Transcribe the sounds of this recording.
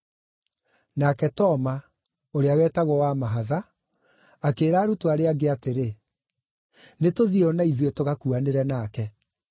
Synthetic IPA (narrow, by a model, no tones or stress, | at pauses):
nakɛtɔma | oɾeawɛːtaɣɔwamaɦaða | akeːɾaːɾutwaɾeaɡeateɾe | netoðiɔnaiðwetoɣakuaneɾɛnaːkɛ